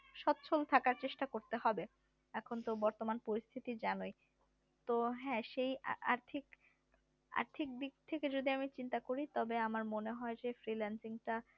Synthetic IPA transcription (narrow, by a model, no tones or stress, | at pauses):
ʃɔt̪ːt͡ɕʰolt̪ʰakaɾt͡ɕeʃʈakoɾt̪eɦɔbe | ɛkʰont̪obɔɾt̪omanpoɾist̪ʰit̪id͡ʑanoj | t̪oɦɛ̃ʃeja̰ɾt̪ʰik | a̰ɾt̪ʰik̚d̪ik̚t̪ʰeked͡ʑod̪iamit͡ɕint̪akoɾit̪ɔbeamaɾmoneɦɔed͡ʑefɾilɛnsiŋʈa